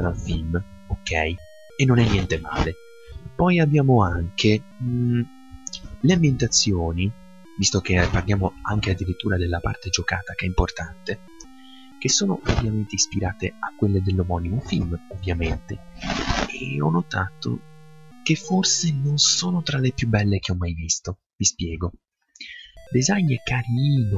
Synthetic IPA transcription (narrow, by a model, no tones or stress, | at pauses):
ɾalfilm | okʰːɛj | enːonɛnːjɛnt̪ema̰ːle | pɔjabːjaːmoaŋkʰe | leambjent̪at̪sːjoːni | vist̪okepːarljaːmoa̰ŋk̟ead̪ːiɾit̪ːuːɾad̪elːapa̰rt̪ed͡ʒoka̰ːt̪ak̟eɛimport̪ant̪e | k̟esːoːnoʔovjament̪eispiɾaːt̪eakːwelːed̪elːomɔnimofilmovːjament̪e | eɔnːot̪aːt̪o̰k̟efːorsenonsɔːnot̪ɾalepjubːɛlːek̟eɔmːajvist̪o | vispjɛːɡo | d̪ezaɲːekaɾiiːno